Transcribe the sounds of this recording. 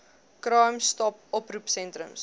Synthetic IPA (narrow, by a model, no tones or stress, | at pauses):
kɾɑjmstɔp̚ɔprupsɛntɾəms